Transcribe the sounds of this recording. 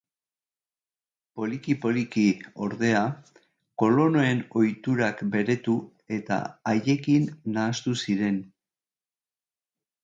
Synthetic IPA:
po̞likipo̞likio̞ɾðe̞a | ko̞lo̞no̞e̞no̞jt̪uɾakbe̞ɾe̞t̪u | e̞t̪a̰aje̞kinːaːst̪usiɾe̞n

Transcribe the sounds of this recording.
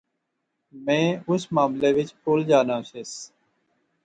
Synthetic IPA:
mẽːʊsmaːmleːʋɪt͡ʃʈoːld͡ʒaːnãːseːs

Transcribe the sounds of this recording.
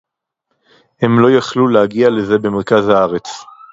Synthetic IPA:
he̞mlo̞jaχlulehaɡiale̞ze̞be̞meʁkazhaaʁe̞t͡s

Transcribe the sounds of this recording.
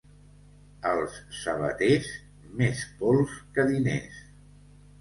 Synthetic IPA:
əlˠsːəβə̰t̪ez | mespɔlˠskəðinḛs

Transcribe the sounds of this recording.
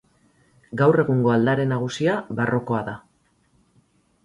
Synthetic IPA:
ɡawre̞ɣuŋɡo̞ald̪aɾe̞naɣ̞usiaβaro̞ko̞aða

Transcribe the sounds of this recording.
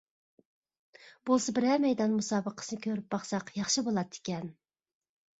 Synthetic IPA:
b̥olˠsɨbɪɾɛmɛjd̪ɑnmusɑːbəqʰəsɨnɨkʲʰøɾyp̚bɑχsɑqjɑχʃibolˠɑt̪ʰːɪ̥kʲɛn

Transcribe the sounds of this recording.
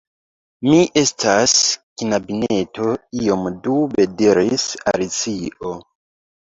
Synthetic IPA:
miʔe̞stʰaskinabine̞to̞iomdube̞diɾisaɾit͡siʔo

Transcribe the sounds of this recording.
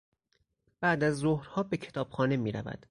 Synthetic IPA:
b̥æʔd̪æzːohɾhɒːbe̞cʰe̞̥t̪ʰɒːb̥xɒːne̞miːɾæ̰væ̰d̪̥

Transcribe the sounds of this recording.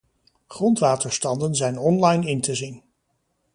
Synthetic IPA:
χrɔntʋaːtəɹstɑndənzɛjnɔnlɑjnɪntəzin

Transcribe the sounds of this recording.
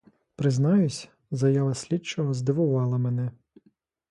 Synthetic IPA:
pɾɪznɑjʊsʲ | zɐjɑʋɐsʲlʲit͡ʃɔɦɔzd̪ɪʋʊʋɑlˠɐmenɛ

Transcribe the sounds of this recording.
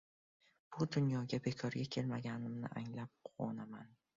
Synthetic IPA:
b̥ʊd̪ʊnjɒɡʲabe̞kʰɒɾɡʲakʲʰe̞lmaɡʲanɪmnɪ̰ʔaŋlap̚qʰɒ̰naman

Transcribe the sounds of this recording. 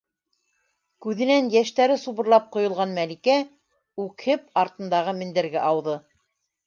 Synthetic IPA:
kʉðɘ̆nænjæʃt̪æɾɘsuβɤ̆ɾlˠɑp̚qŏjŏlˠʁɑnmælikæ | ʉkʰhɘpɑɾt̪ɤ̆nd̪ɑʁɤmɘ̆nd̪ɘ̆ɾɡæʔɑwðɤ

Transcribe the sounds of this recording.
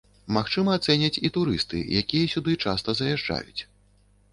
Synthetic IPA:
maxt͡ʂɨmɐːt̪sɛnʲɐt͡sʲit̪uɾɨst̪ɨ̰jʔakʲijɐsʲud̪ɨt͡ʂast̪ɐzɐjaʐd͡ʐa̰jut͡sʲ

